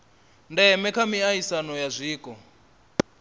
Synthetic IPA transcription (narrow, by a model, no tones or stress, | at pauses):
ndɛmɛkʰamiaisanɔjazʷiːkʼɔ